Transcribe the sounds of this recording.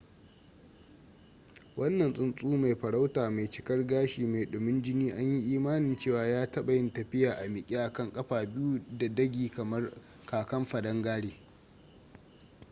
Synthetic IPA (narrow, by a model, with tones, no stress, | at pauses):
wʔɐ˦nːɐ˨nsʼʊ˦nsʼuː˦ma˨jɸɐ˨ɽa˦wtaː˨ma˨jt͡ʃɪ˨kɐ˦rɡaː˦ʃiː˨ma˨jɗoː˨mɪ˦nd͡ʒɪ˦niː˦ʔa˦ɲji˦ʔiː˦maː˦nɪ˨nt͡ʃeː˦˨waː˨jaː˦tɐ˦ɓa˨jɪ˦ntɐ˨ɸɪ˦jaː˨ʔa˨mɪ˨kʲʼi˦ʔa˨kɐ˦˨ŋkʼɐ˦ɸaː˨bɪ˦ju˦da˨dɐ˦ɡʲiː˨kɐ˨mɐ˦r | kaː˨kɐ˦mɸɐ˨dɐ˦ŋɡaː˦ɽeː˨